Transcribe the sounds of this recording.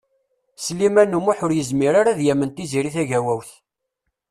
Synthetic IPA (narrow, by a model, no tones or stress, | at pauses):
slimænumuħʊɾjəzmiɾaɾaðjæmənt̪iziɾiθæʝæwæwθ